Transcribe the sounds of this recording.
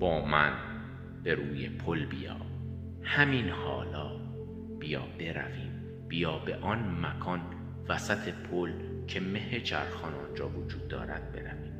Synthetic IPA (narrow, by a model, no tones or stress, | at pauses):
b̥ɒːmæn | b̥e̞ɾuːjḛpʰolbijɒ̰ː | hæmiːnhɒːlɒː | b̥ijɒ̰ːb̥e̞ɾæ̰viːm | b̥ijɒːbeʔɒnmækʰɒːn | væsæt̪ʰe̞pʰol | cʰe̞me̞het͡ʃʰæɾxɒːnɒːnd͡ʒɒːvod͡ʒuːd̪ːɒ̰ːɾæd̪̥̚be̞ɾæviːm